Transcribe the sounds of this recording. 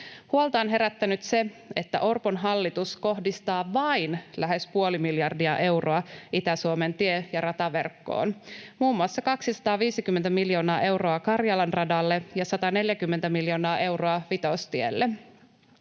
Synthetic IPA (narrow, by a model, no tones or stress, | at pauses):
huolt̪ɑonɦe̞ɾæt̪ːænyt̪se̞e̞t̪ːæ̰ʔorponɦɑlːit̪usko̞ɦdist̪ɑːʋɑinlæɦespuolimiljɑrdiɑ̰ʔe̞wroɑʔit̪æsuome̞nt̪iejɑrɑt̪ɑʋe̞̰rkːo̰ːnmuːmːuɑsːɑkɑksisɑ̥t̪ɑːʋiːsik̟ymːent̪æmiljo̞ːnɑːʔe̞wro̞ɑkɑrjɑlɑnrɑdɑlːe̞jɑsɑt̪ɑne̞ljækymːent̪æmiljo̞ːnɑːʔe̞wroɑʋit̪o̞st̪iḛlːe